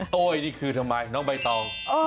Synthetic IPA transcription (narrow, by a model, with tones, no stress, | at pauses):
ʔoː˧˩˨jniː˧˩kʰɯː˧t̪ʰa˧ŋmaː˧jnɔː˦˥ba˧jt̪ɔː˧ʔ